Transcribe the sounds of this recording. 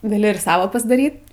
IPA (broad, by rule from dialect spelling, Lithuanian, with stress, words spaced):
ɡɐˈlʲɪ ɪr ˈsɑːʋɐ pɐzdˈɑːrʲiːt